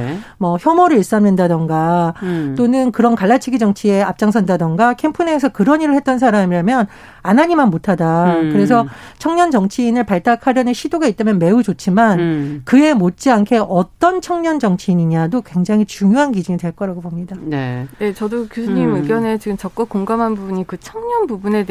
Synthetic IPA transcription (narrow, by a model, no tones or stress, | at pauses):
mʌçjʌmoɾɯɾis͈amnɯndadʌŋɡat͈onɯnkɯɾʌnkaɭːat͡ɕʰiɡid͡ʑʌŋt͡ɕʰie̞ap̚t͡ɕ͈aŋsʰʌndadʌŋɡakʰe̞mpʰuneːsʰʌkɯɾʌɲiɾɯɭhet̚t͈ʌnsʰaɾamiamjʌn | anaɲimanmotʰadakɯɾe̞s̬ʰʌt͡ɕʰʌŋɲʌnd͡ʑʌŋt͡ɕʰiːnɯɭpaɭt͈akʰaɾjʌneɕʰidoɡait̚t͈amjʌnme̞ud͡ʑot͡ɕʰimankɯe̞mot̚t͡ɕ͈iankʰe̞ʔʌt͈ʌnt͡ɕʰʌŋɲʌnd͡ʑʌŋt͡ɕʰiːɲiɲadokwe̞ŋd͡ʑaŋit͡ɕuŋjoɦankid͡ʑiŋidwe̞ɭk͈ʌɾaɡobomɲidanene̞t͡ɕʌdokjosʰuɲimɯɡjʌne̞t͡ɕiɡɯmt͡ɕʌk͈ʌk͈oŋɡamɦanbubuɲikɯt͡ɕʰʌŋɲʌnbubune̞